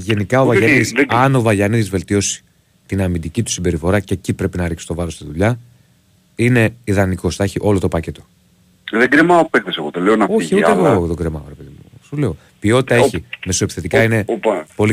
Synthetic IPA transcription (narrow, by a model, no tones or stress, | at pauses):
ʝe̞nikɐovɐʝaniðisɐno̞vɐʝɐniðizve̞lt̪io̞si̥ | t̪inɐmind̪icit̪u̥simbe̞ɾifo̞ɾɐcecipɾe̞pinɐɾiksi̥t̪o̞vɐɾo̞st̪iðuʎɐ | ine̞iðɐniko̞sθɐeçiʔo̞lo̞t̪o̞pɐce̞t̪o̞ | ðeɡɾemɐopekθeseɣoðeleonɐoiʝçiut̪eɣoðoɡɾemɐ̰oɾepeðḭmuusuleo | pio̞t̪i̥t̪ɐeçime̞soepi̥sθe̞t̪ikɐine̞po̞li